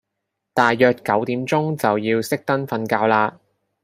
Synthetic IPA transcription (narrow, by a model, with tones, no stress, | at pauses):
t̪aː˨jːœː˨t̚kɐ˨˥wt̪iː˨˥mt͡sʊ˥ŋt͡sɐ˨wjiː˧wsɪ˥k̚t̪ɐ˥nfɐ˧nkaː˧wlaː˧t̚